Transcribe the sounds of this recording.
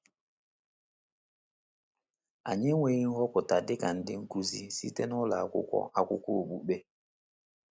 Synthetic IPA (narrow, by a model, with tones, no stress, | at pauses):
a̰˨ɲɛ˦we˦ji˦ŋ̩˦hɔ˦ku˨ta˨dɪ˦ka˨n̩˦dɪ˦ŋ̩˦ku˦zi˦sḭ˦tɛ˦nu˦la˨kṵ˦kɔ̰˦ʔa˨ku˦ko˦˨ɓṵ˨ɓɛ˦